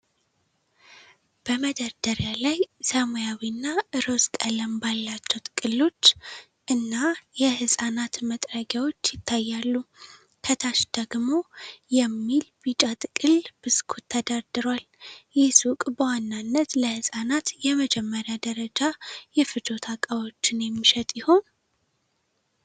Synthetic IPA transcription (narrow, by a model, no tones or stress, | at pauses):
b̥əməd̪əɾd̪əɾjalajsəmojawinːaʔɨɾo̞skʼələmbalːat͡ʃːɛwt̪ʼɨkʼɨlːo̞t͡ʃː | ʔɨnːajɛhɨsʼanat̪mət̪ʼɾəɡjawo̞t͡ʃːjɪt̪ʰːajːalːu | kʰət̪ʰaʃd̪̥əɡmo̞jɛmːilbit͡ʃʼat̪ʼɨkʼɨlb̥ɨskʰut̪ʰːəd̪ad̪ɨɾwal | jɛsukʼbəwanːanːət̪ləhɨsʼanat̪jɛməd͡ʒɛmːəɾjad̪əɾəd͡ʒajɛfɨt̪o̞t̪ʰakʼəwo̞t͡ʃːɪnjɛmːiʃɛt̪ʼjɪho̞n